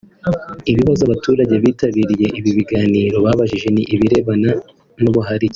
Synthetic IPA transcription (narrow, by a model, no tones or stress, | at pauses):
iβiβazoaβatʰuːɾaɟe̞βiːtaβiːɾije̞ʔiβiβiɡaːniɾo̞βaːβaʒiʒe̞niʔiβiɾe̞βana | nuβuɦaɾi